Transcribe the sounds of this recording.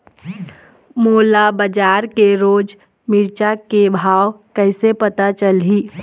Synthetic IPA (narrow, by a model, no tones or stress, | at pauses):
moːlabəd͡ʒaːɾkeɾoːd͡ʒ | mɪɾt͡ʃakebʱaːwkəɪsepət̪at͡ʃəlɦiː